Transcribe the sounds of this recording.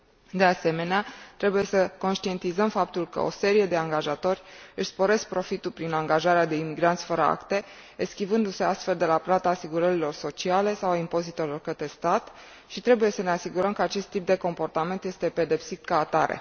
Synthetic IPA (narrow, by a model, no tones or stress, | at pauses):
d̪e̞ase̞me̞neat̪ɾe̞buje̞səko̞nʃt̪ie̞nt̪izəmfap̚t̪ulkə̰o̞̰se̞ɾije̞d̪e̞aŋɡaʒat̪o̞rʲɨʃʲspo̞ɾe̞sk̚pɾo̞fit̪ulpɾinaŋɡaʒaɾead̪e̞imiɡɾant̪sʲfəɾəa̰kt̪e̞ | eskʲibɨnd̪use̞ast̪fe̞ld̪e̞laplat̪aːsiɡuɾəɾilo̞rso̞t͡ʃiale̞sawaimpo̞zit̪elo̞rkət̪ɾe̞st̪at̪ | ʃit̪ɾe̞buje̞səne̞asiɡuɾəmkəat͡ʃe̞st̪ːip̚d̪e̞ko̞mpo̞rt̪ame̞nt̪je̞st̪e̞pe̞d̪e̞psit̪kaːt̪aɾḛ